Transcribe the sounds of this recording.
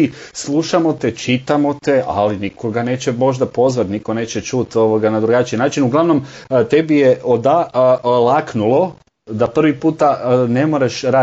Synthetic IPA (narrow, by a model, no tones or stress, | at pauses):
islˠuʃamo̞t̪et͡ʃit̪amo̞t̪ea̰linikʰo̞ɡane̞ːt͡ɕemo̞ʒd̪apo̞zʋat̪niko̞ne̞ːt͡ɕe̞t͡ʃut̪o̞ʋoɡanad̪ɾuɡat͡ʃinaːt͡ʃinuɡlaʋno̞mt̪e̞bijeod̪alaknulˠo̞ | d̪apr̩ʋipuːt̪ane̞moɾaʃɾaː